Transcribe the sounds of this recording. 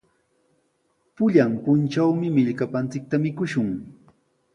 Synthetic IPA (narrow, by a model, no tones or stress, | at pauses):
pʊʎampʊnt͡ʃawmɪmɪʎkapant͡sɪk̚t̪amɪkʊʃʊŋ